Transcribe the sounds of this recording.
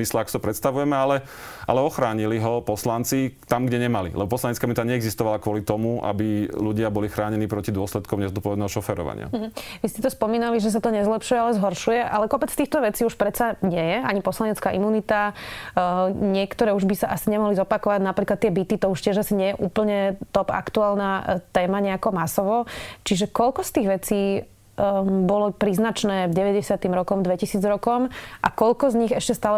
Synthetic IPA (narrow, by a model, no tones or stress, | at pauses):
islɛakɔsit̪ɔpɾɛt̪st̪aʋujɛmɛalɛ | ʔa̰lɛɔxɾaːɲiliɦɔpɔslant͡sit̪amɡɟɛɲɛmalḭlʔɛ̰bɔpɔslaɲɛtt͡skaimunit̪aɲɛɛɡzist̪ɔʋalakʋʊɔlit̪ɔmuʔa̰biluɟɪabɔlixɾaːɲɛniːpɾɔcid̪ʊɔslɛt̪̚kɔmɲɛzɔt̪̚pɔʋɛd̪nɛːɦɔʃɔfɛɾɔ̰ʋa̰ɲɪa̰ɦ̩ʋiscɛt̪ɔspɔmiːnaliʒɛs̬at̪ɔɲɛzlɛpʃujɛalɛzɦɔɾʃujɛʔalɛkɔpɛt͡sft̪iːxt̪ɔʋɛt͡siːuʃpɾɛt͡saɲɪɛjɛaɲipɔslaɲɛt͡skaːʔimuːnit̪a | ɲɪɛkt̪ɔɾɛːuʒbisaʔasiɲɛmɔɦlizɔpakɔʋaɟnapɾiːklat̪ːɛbit̪it̪ɔuʃcɪɛʒasiɲɪɛjɛʔuːpl̩ɲɛt̪ɔpa̰kt̪uaːlnaːt̪ɛːmaɲɛakɔmasɔʋɔt͡ʃiʒɛkɔlkɔst̪iːɣʋɛt͡siː | bɔlɔpɾiːznat͡ʃnɛːvɟɛʋɛɟɛsɪat̪imɾɔkɔmd̪ʋɛcisiːd͡zɾɔkɔmʔakɔʎkɔzɲiɣɛʃcɛst̪aːlɛ